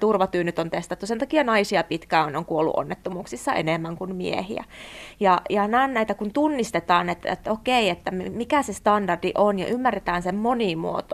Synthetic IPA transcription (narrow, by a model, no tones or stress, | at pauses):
t̪urʋɑt̪yːnyt̪ont̪est̪ɑt̪ːusent̪ɑkiɑnɑisiɑpit̪kæːonoŋkuolːṵʔo̰nːet̪ːomuːksisːɑʔḛnemːæŋkunmḭḛhḭæ̰jɑjɑnæːnnæit̪ækunt̪unːist̪et̪ɑːnet̪ḛt̪ːokeiet̪ːæmmikæsest̪ɑndɑrd̥iʔonjɑ̰ʔymːæret̪æːnsemmonimṵo̰t̪o